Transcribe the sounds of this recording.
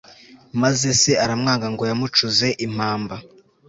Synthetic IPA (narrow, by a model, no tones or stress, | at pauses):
maze̞se̞aɾamŋaːŋɡaŋɡo̞jamut͡ʃuze̞ʔim̥aːmba